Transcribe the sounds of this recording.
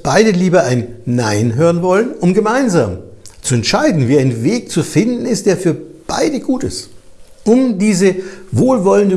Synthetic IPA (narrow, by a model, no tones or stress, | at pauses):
b̥aɪdəliːbɐaɪnːaɪnɦøːʁənvɔlənʔʊmɡəmaɪnzaːmt͡suɛntʃaɪdn̩viːaɪnveːk̚t͡sufɪndn̩ɪstd̥eːɐfyːɐb̥a̰ɪdəɡuːtɪ̰st | ʔʊmdiːzəvoːlvɔləndə